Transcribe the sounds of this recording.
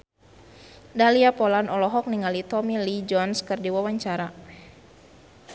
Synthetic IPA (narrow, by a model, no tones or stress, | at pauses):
daliapɔlanɔlɔɦɔk̚niŋalit̪ɔmilid͡ʒɔnskɨrdiwawaɲt͡ʃaɾa